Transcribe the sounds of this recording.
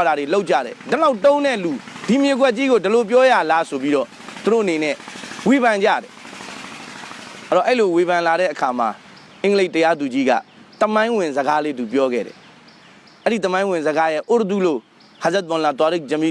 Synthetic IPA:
ɾaɾeloʔ̚t͡ɕa̰ɾɛ̰dəlaʊtõʊ̃nɛlud̥imjeɡwɛʔ̚t͡ɕiɣodəlop̬jɔjalasop̬jiɾɔ̰ | t̪uɾo̰ʔənenɛ̰weβãɲd͡ʑa̰ɾɛ | ɔʔɛɾiloweβãnlaɾɛ̰ʔəkʰama̰ | ʔɪ̃ŋɡleɪʔtːəjad̪ud͡ʑiɡa̰ | t̪əmãɪ̃wɪ̃nzəɡaled̪upjɔɡɛ̰ɾɛ̰ | ʔɛɾit̪əmãɪ̃wɪ̃nzəɡajɛʔoɾət̪ulo̰ | hãzɛt̪̚bɔ̃nlãt̪waɾek̚d͡ʑə̃mi

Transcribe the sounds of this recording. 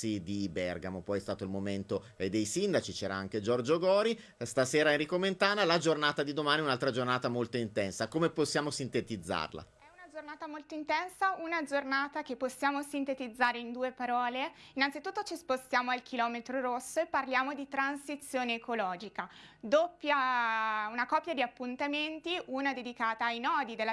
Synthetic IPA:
id̪ibɛrɡamopɔjɛst̪aːt̪oilmoment̪o | d̪ejsind̪at͡ʃit͡ʃɛːɾaaŋk̟ed͡ʒɔrd͡ʒoɡɔːɾi | st̪aseːɾaenrikoment̪aːnalad͡ʒornaːt̪ad̪id̪omaːniɛunalt̪ɾad͡ʒornaːt̪amolt̪oint̪ɛnsakomeposːjaːmosint̪et̪id̪zːa̰rla̰ | ɛunad͡ʒornaːt̪amolt̪oint̪ɛnsaunad͡ʒornaːt̪akepːosːjaːmosint̪et̪id̪zːaːɾeind̪uːepaɾɔːleinːant̪sit̪ut̪ːot͡ʃispost̪jaːmoalkʰilɔːmet̪ɾoɾosːoepːarljaːmod̪it̪ɾansit̪sːjoːneːkolɔːd͡ʒikad̪opːja | unakɔpːjad̪iapːunt̪ament̪iʔunad̪ed̪ikaːt̪aːjnɔːd̪id̪elːa

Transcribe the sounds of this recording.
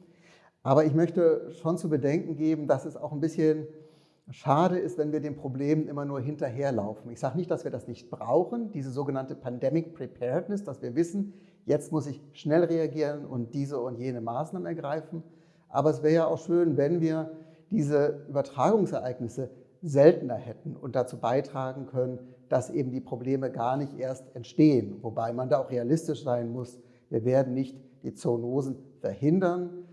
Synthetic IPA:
ʔaːbɐɪçmœçtəʃont͡suːbədɛŋkŋ̩ɡeːbm̩dasɛsa̰ʊxnbɪsçən | ʃaːɾəɪstv̥ɛnviːɐdeːmpʁ̥obleːmənʔɪmɐnuːɐɦɪntɐɦeːɐla̰ʊfn̩ɪçz̥aːɡənɪçt̚d̥asv̥iːɐdasnɪçt̚b̥ʁa̰ʊxən̩diːzəzoːɡənantəpʰandɛmɪk̚pʁ̥ipʰɛːɐtnɛsd̥asv̥iːɐvɪsn̩ | jɛt͡stmʊsɪçʃnɛlʁeaɡiːʁənʔʊ̰nt̚d̥iːzəʊntjeːnəmaːsnaːmənɛɐɡʁaɪfn̩ | ʔa̰ːbɐɛsv̥ɛːɐəjaaʊxʃøːnvɛnviːɐd̥iːzəʔyːbɐtʁ̥aːɡʊŋsɛɐʔaɪɡnɪsə | zɛltn̩ɐhɛtn̩ʊ̰nt̚d̥at͡suːbaɪtʁ̥aːɡŋ̩kʰœnənd̥asʔḛːbm̩diːpʁ̥obleːməɡaːɐnɪçtʔeːɐstɛntʃteːənvobaɪmandaːaʊxʁ̥ealɪstɪʃz̥aɪnmʊs | viːɐveːɐdn̩nɪçtd̥iːt͡sonoːzn̩fɛɐhɪndɐn

